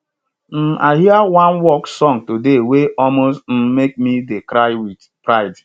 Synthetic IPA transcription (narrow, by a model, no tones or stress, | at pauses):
m̩ʔaɪɦiawãnwɔksɔŋtodeweʔɔlmostm̩mek̚midekɾaɪwid | pɾaɪd